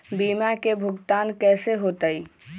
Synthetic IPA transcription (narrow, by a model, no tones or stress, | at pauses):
biːmakebʱʊɡt̪aːnkɛːseɦoːt̪əi